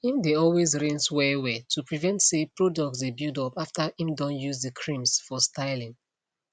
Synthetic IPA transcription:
ĩmdeɔlwezɹĩnswɛwɛtʰupɹivɛ̃ntsepɹɔdɔk̚tsdebildɔpaftaĩmdɔ̃njuzdəkʰɹĩmsfɔstʰaɪlĩŋ

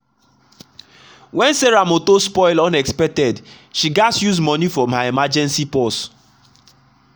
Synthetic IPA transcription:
wɛ̃nseɹamotospɔɪlɔ̃nɛkspɛk̚tɛd | ʃiɡasjuzmɔnifɔmaemad͡ʒɛ̃nsipɔst

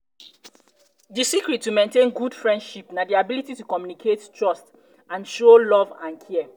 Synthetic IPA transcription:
disikɹitːumẽntẽnɡud̥fɹɛ̃nd̥ʃipnadiabilititukɔmjunikʰettɹɔst | ãnʃolɔvãnkʰɛɛ

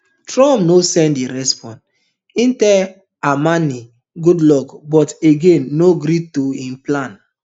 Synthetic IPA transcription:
tɹɔ̃mnosɛ̃ndiɾɛspɔ̃n | ĩntɛ | amani | ɡudlɔkbɔteɡẽnːoɡɾitoĩmplãn

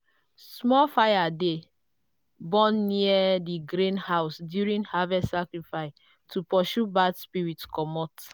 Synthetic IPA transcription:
smɔfajade | bɔ̃nːiadiɡɾẽnhaʊsdjuɹĩnhavɛssakɹifaɪs | tʰupɔʃubadspiɹitkɔmɔt

